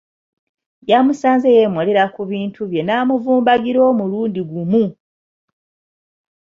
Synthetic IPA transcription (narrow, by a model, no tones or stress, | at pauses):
jamusaːnzejemwaleɾakuβiːntʰuβje̞naːmuvuːmbaɡiɾo̞ːmuluːndiɡumu